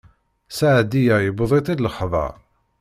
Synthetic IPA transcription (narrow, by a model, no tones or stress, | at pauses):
saʕd̪ijæjəbðˤit̪ˤid̪ləχðˤɑ̰